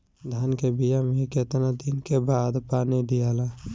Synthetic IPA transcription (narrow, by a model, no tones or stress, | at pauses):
d̪ʱaːnkebijameket̪nad̪inkebaːd̪paːniɖ̪ijala